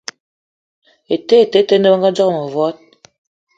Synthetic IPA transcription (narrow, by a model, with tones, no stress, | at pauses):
e˨te˦e˨te˦te˦nə˦ba˦ŋɡa˦d͡ʒɔ˦˨mo˨vɔ˦t̚